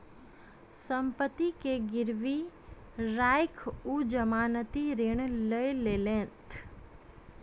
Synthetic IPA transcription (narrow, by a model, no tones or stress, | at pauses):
sə̃mpət̪ːikeɡɪɾʋi | ɾaːɪkʰud͡ʒəmaːnət̪iɾeɽ̃ləeleːlẽːt̪ʰ